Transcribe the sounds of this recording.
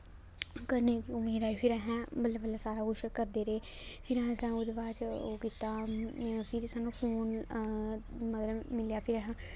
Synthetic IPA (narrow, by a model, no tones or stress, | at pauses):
kəɾned̪iːʊmeːd̪aːipʰɪɾɛɦɛ̃ːbəlːabəlːasaːɾaːʊʃəkəɾd̪eːɾeːpʰɪɾɛ̃ɦsãːʊd̪ʋaːt͡ʃokɪt̪aːpʰɪɾɪsaːnũpʰoːn | mət̪ləbmɪljaːpʰɪɾɛɦɛ̃ː